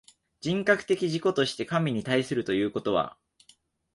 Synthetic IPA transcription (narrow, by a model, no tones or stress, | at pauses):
d͡ʑĩŋkakɯ̟̥t̪e̞kʲiʑiko̞t̪o̞ɕi̥t̪e̞kamʲiɲ̟it̪aisɨɾɯ̟t̪o̞jɯ̟ːko̞t̪o̞βa̰